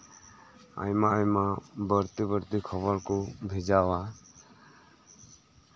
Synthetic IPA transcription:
a̰jmaajmabəɾt̪ibəɾt̪ikʰɔβɔɾkɔbʱɛd͡ʒawa

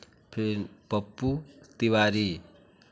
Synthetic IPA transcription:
pʰib̥əpːut̪iwaɾi

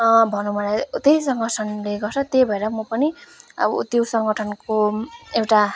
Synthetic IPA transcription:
bʱʌnubʱʌlat̪ejisʌŋɡʌʈʰʌnleɡʌrt͡sʰʌt̪jebʱʌeɾʌmʌpʌniʌ̰bʌ̰t̪josʌŋɡʌʈʰʌnkoewʈa

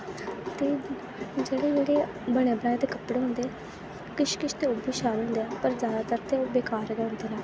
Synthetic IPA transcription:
t̪eː | d͡ʒeːɽeːd͡ʒeːɽeː | bəɽ̃eːbəɾãːẽːt̪eːkəpɽeːɦõnd̪eːɛ | kɪʃkɪʃt̪eːʊbiːʃaːɾɦõnd̪eːɛːpəɾzjaːd̪aːt̪əɾt̪eːoːbeːkaːɾɡɛːɦʊ̃nd̪eːnãː

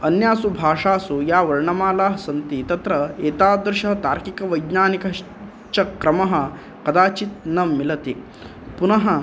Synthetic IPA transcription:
ɐnjaːsubʱaːʂaːsujaːʋɐɾɳɐmaːlaːɦɐsɐnt̪it̪ɐt̪ɾɐeːt̪aːd̪ɾʃɐɦɐt̪aːɾkikɐʋɐjd̪naːnikɐ | t͡ʃɐkɾɐmɐɦɐ̆ | kɐd̪aːt͡ʃit̪̚nɐmilɐt̪i | punɐɦɐ

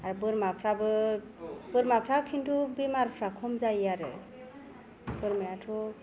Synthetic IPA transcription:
aɾbɯɾmapʰɾabɯ | bɯɾmapʰɾakʰintʰubimaɾpʰɾakʰomzajaɾɯ̰ | bɯɾmeatʰu

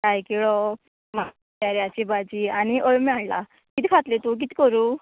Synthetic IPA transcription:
kajkiɭɔ | ma | aɾiat͡ɕibad͡ʑianiʔəjmaɭla̰ | kit̪ikʰat̪let̪uk̬it̪i̥kɔɾuː

